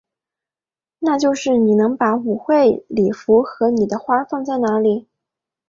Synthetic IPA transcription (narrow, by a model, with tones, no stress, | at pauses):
na˥˧t͡ɕjo˥˧ʊʂɻ̩˥˩ni˨˩nɤ˧˥ŋpa˧˥u˨˩xwe˥˩ɪli˨˩fu˧˥xɤ˧˥ni˨˩d̪ə˦xwa˥fɑ˥˧ŋt͡sa˥˩ɪna˧˥li˨˩˦